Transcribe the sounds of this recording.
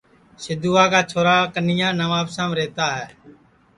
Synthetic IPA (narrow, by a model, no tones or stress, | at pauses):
sɪd̪uːaːkaːt͡ʃʰoːɾaːkənɪjãːnəʋaːpsãːmɾeːt̪aːɦɛː